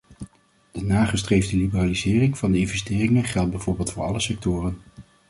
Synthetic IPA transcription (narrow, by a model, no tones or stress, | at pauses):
d̥ənaːχəstrejvdəlibəraːlizɪːrɪŋvɑndəɪnvɛstɪːrɪŋənχɛlˠd̚bɛjvʊːɹbeːlˠtfʊːɹɑləsɛk̚tʊːrən